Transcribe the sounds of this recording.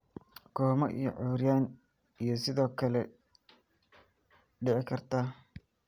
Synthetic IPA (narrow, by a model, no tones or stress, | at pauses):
kʰɔːmɐʔḭjɔ̰ʕʊɾjaːn | ijɞsɪðɔːkʰɐlɛ | ɖɪʕɪkʰɐrt̪ʰa